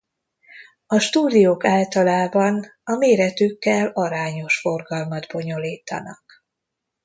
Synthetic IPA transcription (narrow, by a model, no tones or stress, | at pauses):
ɒʃt̪uːd̪ijoːkaːlt̪ɒlaːbɒnɒmeːɾɛt̪ykːɛlɒɾaːɲo̞ʃfo̞rɡɒlmɒd̪bo̞ɲo̞liːt̪ɒ̰nɒ̰k